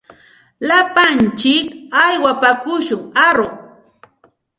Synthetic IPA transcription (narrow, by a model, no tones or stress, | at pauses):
lapant͡ʃɪkajwapakʊʃʊŋaɾo